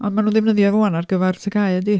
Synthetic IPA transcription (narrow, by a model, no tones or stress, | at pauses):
ɔndmanuːnðɪvnəðjɔvoanarɡəvɛrtʰəɡaɨədi